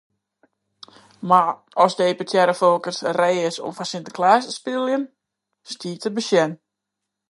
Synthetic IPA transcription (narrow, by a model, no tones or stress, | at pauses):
ma | ɔsdəeːpetʰjɛɾəfolˠkərsrejɪso̰mfasɪntə̥kʰlaːsspɪlˠjən | stiːtəbəʃjɛn